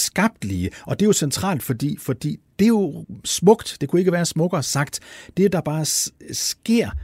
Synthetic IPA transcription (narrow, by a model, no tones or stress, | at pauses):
sɡ̥ɑ̈b̥̚d̥liəʔɒ̽d̥e̝jo̝sent͡sʰʁɑ̰̈ːld̥fɒ̽d̥ḭːfɒ̽d̥ḭːd̥e̝jo̝smɔ̽ɡ̥d̥d̥e̝kʰue̝ɡ̥əʋæːɐsmɔ̽ɡ̥ɐːsɑ̈ɡ̥d̥d̥ed̥ɑ̈b̥ɑ̈ːsɡ̥e̝ɐ̰